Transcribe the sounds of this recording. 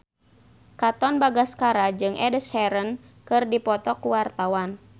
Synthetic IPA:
kat̪ɔnbaɡaskaɾad͡ʒɨŋʔɛdəsɛɾən | kɨrdipɔt̪ɔkuwart̪awan

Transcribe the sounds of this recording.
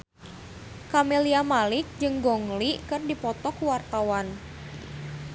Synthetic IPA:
kameliamalɪk̚d͡ʒɨŋɡɔŋlikɨrdipɔt̪ɔkuwart̪awan

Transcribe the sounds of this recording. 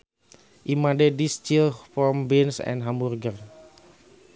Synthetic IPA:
ʔimadɛdist͡ʃilpɔmbinsɛ̰̃nɦamurɡər

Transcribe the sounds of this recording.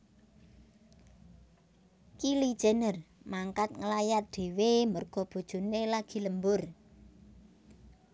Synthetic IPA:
kilid̥ʒ̥enərmaŋkat̪̚ŋəlajat̪̚d̪̥e̤wemərɡ̥ɔ̤b̥o̤d̥ʒ̥ṳnelaɡ̥i̤ləmbʊr

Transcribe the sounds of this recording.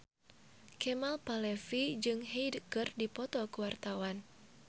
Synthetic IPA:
kɛmalpalɛfid͡ʒɨŋɦejdkɨrdipɔt̪ɔkuwart̪awan

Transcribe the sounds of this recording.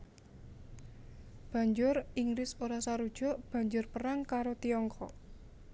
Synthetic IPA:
b̥ä̤ɲd͡ʒʊriŋɡɾɪsoɾasaɾud̥ʒ̥ɔ̤ʔb̥ä̤ɲd͡ʒʊrpəɾaŋkaɾot̪iɔŋkʰɔ̰ʔ

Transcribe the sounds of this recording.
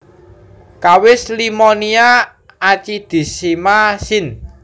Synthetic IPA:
kawɪslimɔniaː | t͡ʃid̪̥i̤simasɪn

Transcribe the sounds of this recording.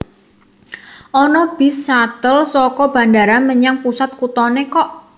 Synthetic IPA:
ʔɔnɔb̥i̤sːat̪əlsɔkɔb̥a̤ndaɾanməɲaŋpusat̪̚kut̪ɔnekɔʔ

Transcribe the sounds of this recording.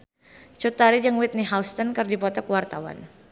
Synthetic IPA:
t͡ʃut̪aɾid͡ʒaŋwit̪̚niɦawst̪ɔnkɨrdipɔt̪ɔkəwart̪awa̰n

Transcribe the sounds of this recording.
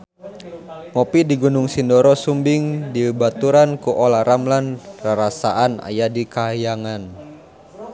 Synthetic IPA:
mɔpidiɡunʊŋsindɔɾɔsumbiŋdibat̪uɾankuʔɔlaɾamlanraɾasaʔana̰jadikaɦjaŋan

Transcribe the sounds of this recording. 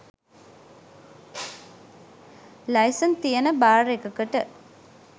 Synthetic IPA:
lajsənt̪ijənəbaːɾekəkəʈə

